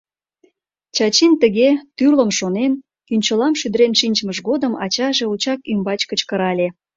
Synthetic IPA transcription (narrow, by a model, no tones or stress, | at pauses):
t͡ɕɑt͡ɕint̪əɣet̪yrləmʃonen | kynʲt͡ɕəlɑmʃyd̪əɾenʃinʲt͡ɕməʃɣod̪əmɑ̰t͡ɕɑʒe̽ut͡ɕɑkymbɑt͡ɕkət͡ɕkəɾɑlʲe